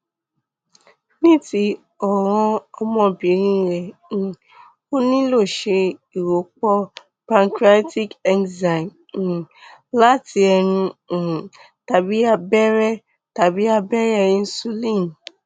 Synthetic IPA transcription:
nĩ˦ti˧ | ɔ˨ɾ̃ɔ̃˧ɔ˧mɔ̃˧bĩ˨˦ɾĩ˦ɾɛ̃˨ | o˦nĩ˦lo˦˨ʃe˧i˨ɾo˨k͡pɔ˧ | pã˧ŋkɾa˦ti˦kɛ˧nza˨n˨ | la˦ti˧ɛ˧ɾũ˧˨ | ta˨bi˨˦a˧bɛ˦ɾɛ˦ | ta˨bi˨˦a˧bɛ˦ɾɛ˦˧ĩ˧n̩˦su˦lĩ˦˨n

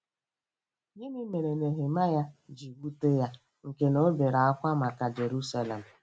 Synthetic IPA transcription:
ɲi˦mi˦me˨ɾe˨ne˨ɦe˨ma˦ja˦d͡ʒi˨wu˦te˦ja˦ | ŋ̩˨ke˨no˦be˨ɾa˨a˦kʷa˦ma˨ka˨d͡ʒe˨ɾu˦sa˦le˨m̩˨

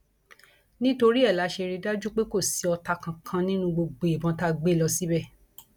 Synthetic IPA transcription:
nĩ˦to˧ɾi˦ɛ˦˨la˨˧˦ʃe˧ɾi˧da˦d͡ʒu˦k͡pe˦ko˦˨si˨˦ɔ˧ta˧kã˧kʰã˧nĩ˦nũ˧ɡ͡bo˧ɡ͡bo˨i˨bɔ̃˧˦ta˦ɡ͡be˦˨lɔ˧si˦bɛ˦˨

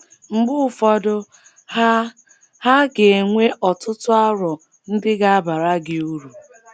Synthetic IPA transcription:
ŋ͡m̩˨ɡ͡bʊ˦˨fɔ˨dʊ˦ | ha˦ɡe˨ŋʷe˦ʔɔ˨tʊ˦tʊ˦a˦ɾɔ˨ | n̩˦dɪ˦ɡa˦ba˨ɾa˦ɡɪ˨u˦ɾu˨

